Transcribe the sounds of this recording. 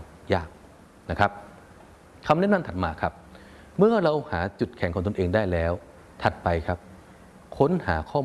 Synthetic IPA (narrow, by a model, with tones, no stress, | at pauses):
jaː˥˩k̚ | na˦˥kʰa˦˥p̚ | kʰa˧mnɛ˥˨na˧mt̪ʰa˨˩t̪̚maː˧kʰa˦˥p̚ | mɯ˥˩ɐɾa˧whaː˩˦t͡ɕu˨˩t̪̚kʰɛ˨˩˦ŋʰkɔː˩˦ŋt̪o˧nʔeː˧ŋdaː˥˩jlɛː˦˥w | t̪ʰa˨˩t̪̚pa˧jkʰa˦˥p̚ | kʰo˦˥nhaː˩˦kʰɔː˥˩